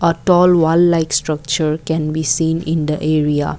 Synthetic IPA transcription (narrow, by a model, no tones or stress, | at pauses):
ətɔlwallaɪkstɹak̚t͡ʃəɹkɛ̃nbisĩnĩnd̪əʔeɹia̰